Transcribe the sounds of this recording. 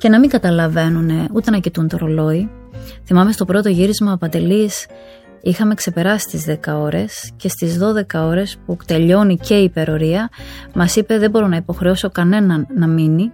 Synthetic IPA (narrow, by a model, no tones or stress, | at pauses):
ce̞nɐmiŋɡɐt̪ɐlɐve̞nune̞ut̪e̞nɐcit̪unt̪oɾo̞lo̞i | θimɐme̞st̪o̞pɾo̞t̪o̞ʝiɾizmɐpɐnd̪e̞lis | ixɐme̞kse̞pe̞ɾɐsi̥st̪izðe̞kɐo̞ɾe̞sce̞st̪izðo̞ðe̞kɐo̞ɾe̞sput̪e̞ʎo̞nice̞ipe̞ɾo̞ɾiɐmɐsipe̞ðe̞bo̞ɾo̞nɐipo̞xɾe̞oso̞kɐne̞nɐnːɐmini